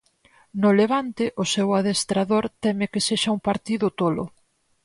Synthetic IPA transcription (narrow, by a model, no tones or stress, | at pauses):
nʊleβ̞ant̪ɪʔʊsɛwaðest̪ɾaðoɾt̪ɛmekeseʃauŋpaɾt̪iðʊt̪olʊ̰